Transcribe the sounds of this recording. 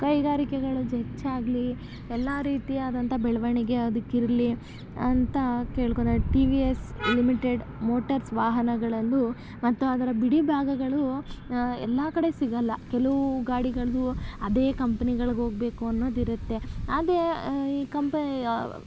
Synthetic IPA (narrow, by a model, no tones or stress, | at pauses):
kɐjɡaːɾikɛɡɐɭud͡ʒet͡ʃːaːɡli | ɛlːaɾiːt̪iaːd̪ɐnt̪ʰɐbɛɭɐʋɐɳiɡe̞ɐd̪ukːiɾli | ɐnt̪ɐke̞ːɭkond̪ɐʈiʋieslimiʈeɖ | mo̞ːʈɐɾsʋaːɦɐnɐɡɐɭɐlːu | mɐt̪ːuaːd̪ɐɾɐbiɽibʱaːɡɐɡɐɭu | ɛ̰lːakɐɽe̞siɡɐlːɐkɛlɐʋuɡaːɽiɡɐɭɐd̪uɐd̪eːkɐmpɐniɡɐɭɐɡɦoːɡ̚be̞ːkuɐnːo̞ːd̪iɾut̪ːe̞aːd̪ɾe̞iːkɐmpɐ